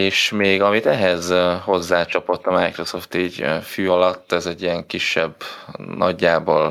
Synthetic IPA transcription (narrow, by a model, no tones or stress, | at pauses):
eːʃmeːɡɒmit̪ɛɦɛzho̞zːaːt͡ʃɒpo̞t̪ːɒmajkro̞so̞ft̪iːɟfyːɒlɒt̪ːɛzɛɟːijɛŋkiʃːɛbːnɒɟːaːbo̰ːl